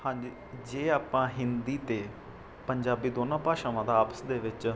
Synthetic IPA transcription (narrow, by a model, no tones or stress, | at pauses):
hãːd͡ʒ | d͡ʒeːaːpãːɦɪnd̪iːt̪eː | pəɲd͡ʒaːbiːd̪oːnãːpaːʃãːʋãːd̪aːpə̥sd̪eːʋɪt͡ʃ